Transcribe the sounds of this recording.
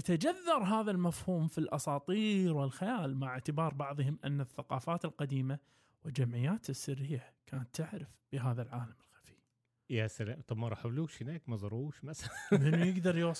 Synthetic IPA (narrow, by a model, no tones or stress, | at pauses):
jat̪ad͡ʒaðːɑɾˤɦaːðalmafhuːmfilʔɑsˤɑːt̪ˤiːɾwɪlxajaːlmaʕɪʕt̪ɪbɑːɾˤbɑʕðˤhʊmʔa̰nːaθːaqɑːfaːt̪ɪlqad̪iːma | wɪld͡ʒamʕɪjːaːt̪ɪsːɪrːɪjːakʰaːnat̪ːɪʕɾɪfb̥ɪɦaːðalʕaːlamɪlxḁfi̥ | jasalaːmt̪ˤɑbmɑɾˤɑħabluːʃhɪnaːkmazˤɑɾˤuːʃmasalamɪnːujɪɡd̪ɑɾˤjʊs